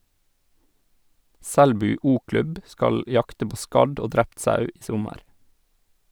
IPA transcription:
ˈsɛɽbʉː ˈuːˌklʉb ˈskɑl ˈjɑktə ˈpoː ˈskɑɖ ˈoː ˈdɾɛpt ˈsɑʉ ˈiː ˈsʊməɾ

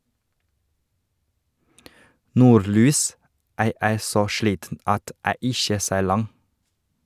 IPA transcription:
ˈnuːɾˌlyːs ˈæː ˈeːɾ ˈsoː ˈʃliːtn̩ ˈɑt ˈæː ˈɪçə ˈseːɾ ˈlɑŋ

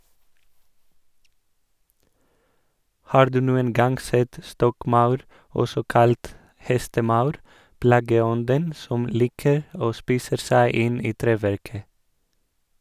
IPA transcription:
ˈhɑːɾ ˈdʉː ˈnuːən ˈɡɑŋɡ ˈsɛt ˈstɔkˌmɑʉɾ ˈɔsɔ ˈkɑlt ˈhɛstəˌmɑʉɾ ˈplɑːɡəˌɔndən ˈsɔm ˈliːkəɾ ˈoː ˈspiːsə ˈsæɪ ˈɪn ˈiː ˈtɾeːˌʋæɾkə

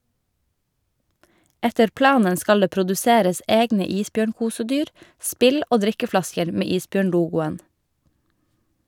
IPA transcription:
ˈɛtəɾ ˈplɑːnən ˈskɑl ˈdeː pɾʊdʉˈseːɾəs ˈʔeːɡnə ˈiːsˌbjøːɳˌkuːsəˌdyːɾ ˈspɪl ˈʔoː ˈdɾɪkəˌflɑskəɾ ˈmeː ˈiːsˌbjøːɳˌluːɡʊən

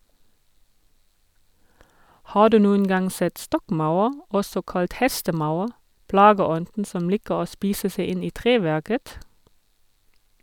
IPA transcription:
ˈhɑː ˈdʉː ˈnuːən ˈɡɑŋ ˈsɛt ˈstɔkˌmaʊɑʁ ˈɔsɔ ˈkɑlt ˈhɛstəˌmaʊɑʁ ˈplɑːɡəˌɔndn̩ ˈsɔm ˈliːkəʁ ˈoː ˈspiːsə ˈseɪ ˈɪn ˈiː ˈtʁeːˌʋæʁkət

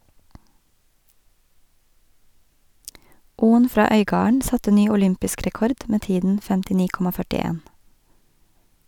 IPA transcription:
ˈuːən ˈfɾɑː ˈœʏˌɡɑːəɳ ˈsɑtə ˈnyː ʊˈlʏmpɪsk ɾɛˈkɔɾd ˈmeː ˈtiːdn̩ fɛmtɪˈniː ˈkɔmɑ fœʈɪˈeːn

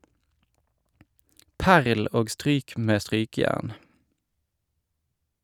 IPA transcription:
ˈpæʁl ˈoːɡ ˈstʁyːk ˈmeː ˈstʁyːkəˌjæʁn

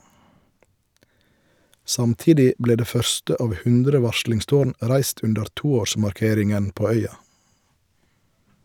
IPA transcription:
ˈsɑmˌtiːdɪ ˈbleː ˈdeː ˈfœɾstə ˈɑːʋ ˈhʉndɾə ˈʋɑʃɭɪŋˌstoːɳ ˈʔɾæɪst ˈʉndəɾ ˈtuːˌoːʃmɑɾˌkeːɾɪŋən ˈpoː ˈœʏɑ

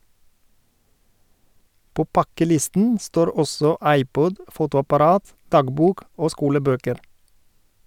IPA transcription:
ˈpoː ˈpɑkəˌlɪstn̩ ˈstoːɾ ˈɔsɔ ˈɑɪˌpɔd ˈfuːtʊɑpɑˌɾɑːt ˈdɑːɡˌbuːk ˈoː ˈskuːləˌbøːkəɾ

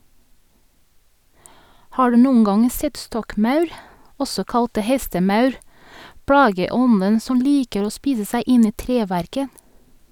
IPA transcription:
ˈhɑː ˈɹʉː ˈnuːən ˈɡɑŋ ˈsɛt ˈstɔkˌmɑʉɾ ˈɔsɔ ˈkɑlt ˈhɛstəˌmɑʉɾ ˈpɹɑːɡəˌɔnən ˈsɔm ˈliːkəɾ ˈoː ˈspiːsə ˈsæɪ ˈɪn ˈiː ˈtɾeːˌʋæɾkə

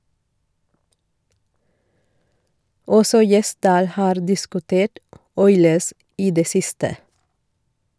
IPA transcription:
ˈɔsɔ ˈjɛˌsdɑːl ˈhɑːɾ dɪskʉˈteːʈ ˈɔʏləs ˈʔiː ˈdeː ˈsɪstə

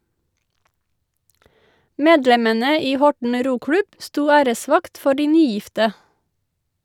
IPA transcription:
ˈmeːdlɛmənə ˈiː ˈhɔʈɳ̩ ˈɾuːˌklʉb ˈstuː ˈæːɾəˌsʋɑkt ˈfɔ ˈɖiː ˈnyːˌjɪftə

